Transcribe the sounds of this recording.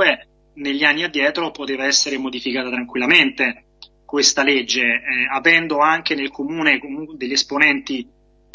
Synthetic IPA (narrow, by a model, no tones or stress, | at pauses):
e | neʎːianːiad̪ːjɛːt̪ɾopot̪eːvaɛsːeɾemod̪ifikaːt̪at̪ɾaŋkwilːament̪e | kwest̪aled͡ʒːeavɛnd̪oaŋk̟enelkomuːnekomuŋkd̪eʎːesponɛnt̪i